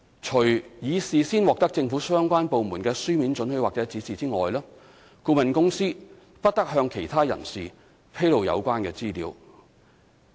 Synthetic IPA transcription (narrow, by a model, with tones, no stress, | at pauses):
t͡ʃʰɵ˨˩ɥjiː˨˧siː˨siː˥nwɔː˨k̚t̪ɐ˥k̚t͡sɪ˧ŋfuː˨˥sœː˥ŋkʷaː˥npo˨wmuː˨˩nkɛː˧syː˥miː˨˥nt͡ʃɵ˨˥nhɵ˨˧ɥwaː˨k̚t͡sɛː˨˥t͡siː˨˥siː˨t͡siː˥ŋɔː˨jlɔː˥ | kuː˧mɐ˨nkʊ˥ŋsiː˥ | pɐ˥t̚t̪ɐ˥k̚ɦœː˧ŋkʰe˨˩jt̪ʰaː˥jɐ˨˩nsiː˨ | pʰe˥jlo˨˧wjɐ̰˨˧wkʷaː˥nkɛː˧t͡siː˥lḭː˨˧w